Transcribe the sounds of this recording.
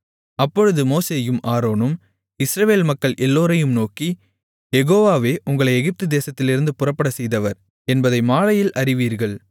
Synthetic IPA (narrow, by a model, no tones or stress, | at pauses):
ɐpːɔɻɯðɯmoːseːjɯmʔaːɾoːnɯm | ɪsɾɐʋeːlmɐkːɐɭʔɛlːoːɾɐjɯmnoːki | jɛɣoːʋaːʋeːʔʊŋɡɐɭɐɪɛɣɪp̚t̪ɯd̪eːsɐt̪ːɪlɪɾɯnd̪ɯpʊrɐpːɐɽɐsɛjðɐʋɐɾ | ɛnbɐðɐɪmaːɭɐjɪlʔɐɾɪʋiːɾɣɐɭ